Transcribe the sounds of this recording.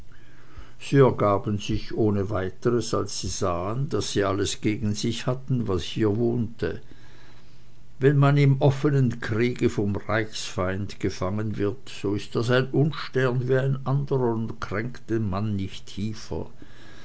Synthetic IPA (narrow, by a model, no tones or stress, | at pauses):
z̥iːɛɐɡaːbən̩zɪçʔoːnəvaɪtəʁəsa̰lsːiːzaːəndasːiːaləsɡ̥eːɡn̩zɪçhatn̩vashiːɐvoːntʰə | vɛnmanɪmʔɔfənənkʰʁ̥iːɡəfɔmʁaɪçsfaɪndɡ̥əfaŋənvɪɐtz̥oːɪst̚d̥asaɪnʔʊnʃtɛʁnviːaɪnʔandəʁɐʊntkʁ̥ɛŋktəmanːɪçtʰːiːfɐ̰